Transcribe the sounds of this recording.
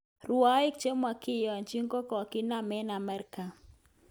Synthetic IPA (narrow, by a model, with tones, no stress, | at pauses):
ru˨a˦ɪ˦k̚t͡ʃe˦mwa˨kɪ˦jɔ˨nt͡ʃi˦ŋkɔ˦kɔ˨ki˦na˦˨mɛ˦na˨mɛ˦ɾka˨